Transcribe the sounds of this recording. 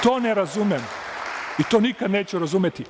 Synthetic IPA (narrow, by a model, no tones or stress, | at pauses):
t̪oːnɛɾazumɛm | it̪oːnikad̪neːt͡ʃuɾazumjet̪i